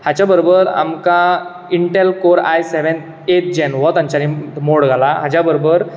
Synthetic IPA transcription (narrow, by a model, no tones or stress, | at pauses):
hat͡ɕabəɾobəɾa̰mka | iɳʈelkoɾa̰jseʋen | eʈ̚d͡ʑenʋɔt̪ãɲt͡ɕaɾimoɽɡʱalaɦat͡ɕabəɾobəɾ